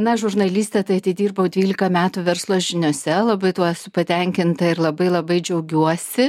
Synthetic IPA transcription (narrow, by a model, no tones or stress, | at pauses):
nɐʒʊɾnɐlʲiːsʲt̪ʲɛt̪ɐɪɐt̪ʲɪd̪ʲiːrbɐʊd̪ʲʋʲiːlʲɪkɐmʲæːt̪uːʋʲɛɾslˠoːʒʲɪnʲosʲɛlˠɐbɐɪt̪uɔsʊpɐt̪ʲɛŋʲkʲɪnt̪ɐɪɾlˠɐbɐɪlˠɐbɐɪd͡ʒʲɛʊɡʲuɔsʲɪ